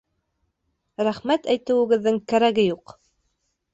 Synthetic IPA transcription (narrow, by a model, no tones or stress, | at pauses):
ɾæχmæt̪æjt̪ɘ̆wɘ̆ɡɘ̆ðːɘŋkæɾæɡɘjuq